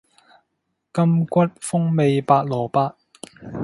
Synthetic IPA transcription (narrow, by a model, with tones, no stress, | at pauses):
kɐ˥mkʷɐ˥t̚fʊ˥ŋme˨˧jpaː˧t̚lɔː˨˩paː˧t̚